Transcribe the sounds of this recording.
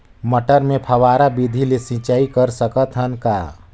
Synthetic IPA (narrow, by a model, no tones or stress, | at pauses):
məʈəɾmẽpʰəwaːɾabid̪ʱilesĩt͡ʃaːikəɾsəkət̪ɦənka̰ː